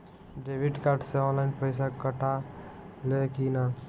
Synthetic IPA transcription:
ɖebiɖkaɾɖseɔnlaɪnpəɪs̬akəʈa | lekina

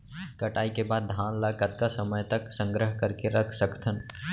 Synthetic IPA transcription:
kɐʈaːikebaːd̪̚ːʱãːnlaːkət̪̚kasɐməjt̪əksə̃ŋɡɾəɦkəɾkeɾɐkʰsəkʰt̪ʰən

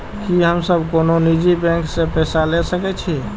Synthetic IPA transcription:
kiɦəmsəbkononid͡ʒibɛ̃ŋksepɛsalesəkɛt͡ʃʰi

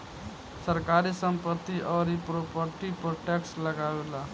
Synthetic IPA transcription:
səɾkaɾisəmpət̪ːiʔɔɾipɾopəɾʈipoʈɛksləɡawela

